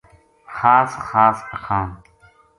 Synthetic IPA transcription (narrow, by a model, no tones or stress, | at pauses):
xaːsxaːsɐxʰaːn